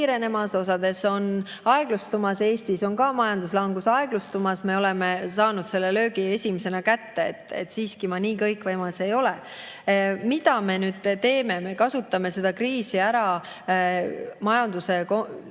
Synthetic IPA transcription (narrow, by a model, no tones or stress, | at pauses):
ɾe̞ne̞mɑso̞sɑd̪̥e̞so̞n | ɑe̞ɡ̥lust̪umɑse̞ːst̪iso̞nkɑmɑjɑnd̪uslɑŋɡ̥usɑe̞ɡ̥lust̪umɑsme̞o̞le̞me̞sɑːnud̪̥se̞lːe̞lø̞ːɡ̥ie̞sʲimise̞nɑkæt̪ːe̞̰ːt̪ːˑḛt̪ːsiːskimɑniːkɤjkˑvɤjmɑse̞jo̞le | mid̪ɑme̞nyːd̪̥t̪e̞ːme̞me̞kɑsut̪ːˑɑme̞se̞d̪̥ɑkriːsiæɾɑ | mɑjɑnd̪̥use̞ko